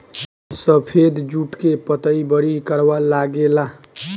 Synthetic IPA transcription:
səpʰed̪d͡ʒuʈkepət̪əibəɽikəɾʋəlaɡela

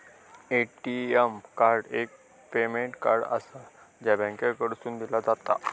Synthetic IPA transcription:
eʈiemkaɾɖek̚ | pemeɳʈkaɾɖə̰sa | d͡ʑjabə̃ŋkakəɽsuːnd̪ilad͡zat̪a̰

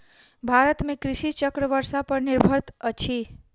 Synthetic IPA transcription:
bʱaɾət̪mẽkɾɪʃit͡ʃəkɾəʋəɾsapəɾnɪɾbʱəɾt̪ət͡ʃʰi

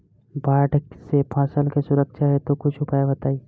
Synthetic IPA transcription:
baːʈsepʰãːsəlkesʊɾəkʃaɦet̪okʊt͡ʃʰʊpaːjabɐt̪aːiː

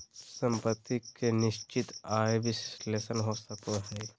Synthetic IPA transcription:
sə̃mpət̪ːikenɪʃt͡ʃɪt̪aːebɪssleːsənɦosəkoɦɛː

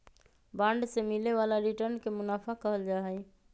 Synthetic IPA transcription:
bãɳɖsemileʋalaɾiʈəɾnkemʊnapʰakəɦəld͡ʒaːɦəj

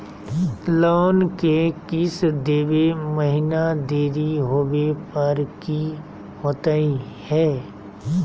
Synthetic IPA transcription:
loːnkekɪsd̪eːʋeməɦɪnad̪eːɾiɦoːwepəɾki | ɦoːt̪aihɛː

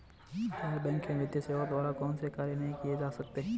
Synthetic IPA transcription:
ɐɾbɛ̃ːŋkmẽʋɪd̪jəseːʋət̪ʋaːlakɔːnsekaːɾjenɐɦĩkied͡ʒaːsɐk̚t̪eɦɛ̃

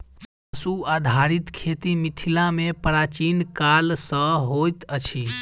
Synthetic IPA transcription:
əsuad̪ʱaɾit̪kʰet̪imit̪ʰilamepɾat͡ʃinkalsəɦojt̪ət͡ʃʰi

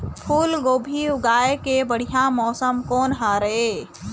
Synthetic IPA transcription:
pʰuːlɡoːbʱiʊɡaːekebəɽ̤ijamɔːsəmkɔːnɦaɾəɦeː

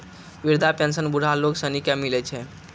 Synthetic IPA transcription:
ʋiɾd̪ʱapensənbuɾ̤ʱaloksənikjamilɛt͡ʃʰɛ

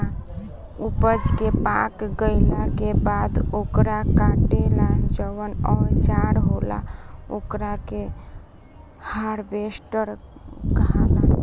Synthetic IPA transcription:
a | upəd͡ʒkepakɡəɪlakebad̪okɾakãʈelad͡ʒəʋənɔɾt͡ʃaɾɦola̰okɾake | haɾbesʈəɾɡala

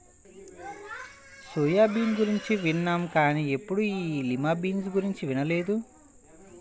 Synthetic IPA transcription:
suːjaːbiːnɡuɾiɲt͡ʃiʋinːaːmkaːniepːuɽuiːlimaːbiːnsɡuɾiɲt͡ʃiʋinɐle̞ːd̪u

